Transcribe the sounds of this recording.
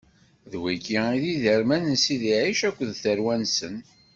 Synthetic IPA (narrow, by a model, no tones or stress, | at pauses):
ðwikːiiðiðəɾmænənsiðiʕiʃækʷːðθəɾwænsən